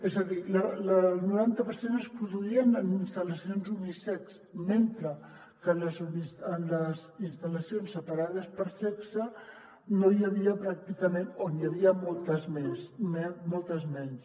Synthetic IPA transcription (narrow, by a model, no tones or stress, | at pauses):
ezəðilələnuɾant̪əpəɾsenəspɾuðuiənəninst̪ələsionzumisɛks | ment̪ɾə | kənləzumisənləzinst̪ələsionsːəpaɾaðəspəɾsɛksə | nojəβ̞iəpɾak̚t̪ikəmenonijəβ̞iəmolˠt̪əzmɛsmɛmolˠt̪əzmɛns